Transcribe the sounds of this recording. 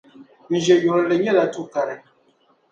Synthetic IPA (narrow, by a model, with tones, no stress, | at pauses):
mĩ˨ʒɛ˨jɔ˨ɾle˨ɲɛ˦da˨tu˦ka˨ɾɛ˨